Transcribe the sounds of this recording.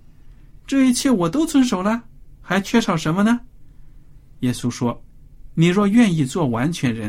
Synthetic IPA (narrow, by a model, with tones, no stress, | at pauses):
ʈ͡ʂɤ˥˩i˧˥t͡ɕʰjɛ˥˩wɔ˨˩t̪o˥ʊt͡swə˥nʂo˨˩ʊlə˦xa˧˥ɪt͡ɕʰɥɛ˥˩ʂɑ˨˩ʊʂə˧˥nmə˧nə˧ | jɛ˥su˥ʂwɔ˥ni˨˩ɻwɔ˥˧ɥɛ˥˧ni˥˧t͡swɔ˥˩wa˧˥nt͡ɕʰɥɛ˧˥nɻə˧˥n